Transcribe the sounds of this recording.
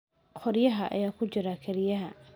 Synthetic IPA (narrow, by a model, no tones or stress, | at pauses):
qʰɔrjɐɦɐʔɐ̰jaːkʰʊt͡ʃɪɾɐkʰɐɾɪjɐɦɐ